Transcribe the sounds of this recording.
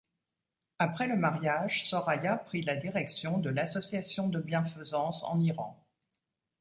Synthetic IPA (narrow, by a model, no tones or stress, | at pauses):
apχɛləmaʁjaʒsɔʁajapχilad̪iʁɛksjɔ̃d̪əlasɔsjasjɔ̃d̪əbjɛ̃fəzɑ̃sɑ̰̃niʁɑ̰̃